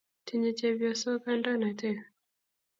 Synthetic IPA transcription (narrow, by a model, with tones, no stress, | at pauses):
tiɲi˨t͡ʃɛvjɔ˨sɔ˦ka˦nda˦na˨tɛ